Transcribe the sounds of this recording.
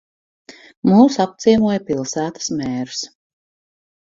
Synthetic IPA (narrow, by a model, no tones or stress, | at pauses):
muːsap̚t̪siɛmuɔjapilˠsæːt̪ə̥smɛːɾu̥s